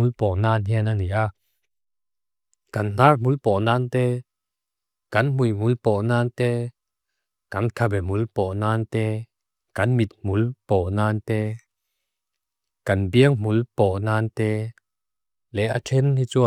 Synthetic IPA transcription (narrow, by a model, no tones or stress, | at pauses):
ulpɔʔnaːnɦinaniʔa | kɐnnaːrmulpɔʔnaːnt̪ɛː | kɐnmujmulpɔnaːnt̪ɛː | kɐnkʰabɛmulpɔnaːnt̪ɛː | kɐnmit̪̚mulpɔʔnaːnt̪ɛː | kɐnbiəŋmulpɔʔnaːnt̪ɛː | lɛʔatʰɛnhit͡su